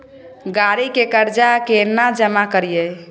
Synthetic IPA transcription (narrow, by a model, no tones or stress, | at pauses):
ɡaɾikekəɾd͡ʒakenːad͡ʒəmakəɾijɛ